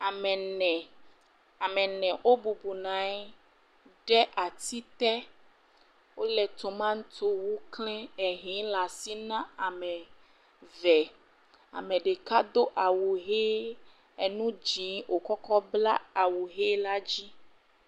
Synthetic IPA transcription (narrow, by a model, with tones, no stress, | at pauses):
a˨mɛ̃˨nɛ̃˨ | a˨mɛ̃˨nɛ̃˨ʔo˦bu˨bu˨nã˨ɛ˦ | ɖɛ˦ʔa˨t̪i˦t̪ɛ˦ | wo˦lɛ˨t̪o˨mã˦ŋ˦t̪o˦wu˦klɛ̃˦ɛ˨ɦĩ˨˦la˨si˦nã˦a˨mɛ̃˨ | vɛ˨ | a̰˨mɛ̃˨ɖe˨ka˦d̪o˦ʔa˨wu˨ɦe˦ | ɛ˨nũ˦d͡ʒĩ˨˦ʔo˨kɔ˦kɔ˦bla˦a˨wu˨ɦe˦la˦d͡ʑi˦